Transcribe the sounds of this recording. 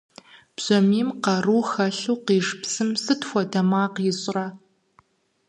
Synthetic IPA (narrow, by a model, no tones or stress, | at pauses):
b̥z̥ɐmiːmqɐruːxɐɬuːqiːʂpsɨmsɨtxʷɔdɐmaːqjɪɕʼraː